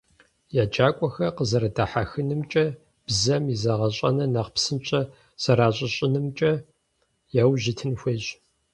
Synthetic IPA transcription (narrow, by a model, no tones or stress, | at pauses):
jaːd͡ʒaːkʷʼɔxɐqəzɐɾɐdaħaxɨnɨmt͡ʃʼɐ | b̥zɐmizɐʁɐɕʼɐ̰nɐnɐqpsɨnt͡ʃʼɐ | sɐɾaːɕʼɐɕʼɪnɨmt͡ʃʼɐ | jawʑɪtʰɨnxʷeːɕ